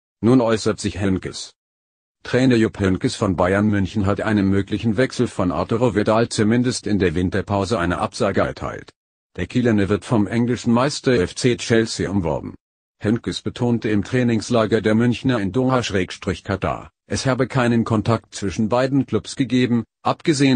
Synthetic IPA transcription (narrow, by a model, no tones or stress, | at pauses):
nuːnʔɔʏsɐtz̥ɪçhɛnkəs | tʁ̥ɛːnɐjopʰɛnkəsfɔnbaɪɐnmʏnçn̩ɦatʔa̰ɪnənmøːklɪçn̩vɛksl̩fɔnʔa̰ɐtoʁovɪdaːlt͡sumɪndəstɪndeːɐvɪntɐpʰaʊzəʔaɪnɐ̰ʔa̰pz̥aːɡəʔɛɐtʰa̰ɪlt | d̥eːɐkʰilɛnəvɪɐtfɔmʔɛŋlɪʃn̩maɪstɐɛɛft͡seːtʃɛlsiʊmvɔ̰ɐbm̩ | hɛnkəsb̥ətʰoːntəɪmtʁ̥ɛːnɪŋslaːɡɐɐdeːɐmʏnçnɐɪndoːhaʃʁ̥ɛːkʃtʁ̥ɪçkʰatʰa̰ːɐ | ʔɛshaːbəkʰaɪnənkʰɔntʰak̚tt͡sv̥ɪʃn̩baɪdn̩kl̥ʊpsɡ̥əɡeːbm̩ʔapɡ̥əzeːən